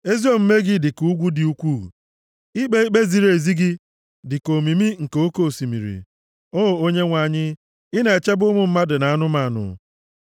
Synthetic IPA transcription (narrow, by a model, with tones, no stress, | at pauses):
e˦zi˦o˦m̩˦me˦ɡɪ˦dɪ˨ku˦ɡʷu˦dɪ˨u˦kʷṵ˦˨ | i˦k͡pe˦i˦k͡pe˦zi˨ɾe˨zi˦ɡɪ˦ | dɪ˨ko˨mi˨mi˦ŋ̩˨ko˦ko˦˨si˨mḭ˨ɾḭ˨ | o˦˨o˦ɲe˦ŋʷa˨ɲɪ˦ | ɪ˦ne˨e˨t͡ʃe˦bʊ˦mʊ˨m̩˦ma˦dɪ˨na˨a˦nʊ˦ma˨˦˨nʊ̰˨